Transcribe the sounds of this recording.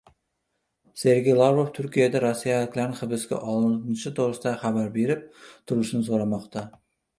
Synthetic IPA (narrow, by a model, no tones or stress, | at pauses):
seɾɡʲejlˠavɾoft̪ʰʊɾkʲijad̪æɾosːijalɪkʲlæɾnɪχɪbɪskʲɛ̰ʔɒlˠɨnnʃɪt̪ʰoɾɨsd̪ɑχæbæɾbeɾɪp̚t̪ʰʊɾˠɨʃnɪsoɾɑmɑqt̪ʰɑ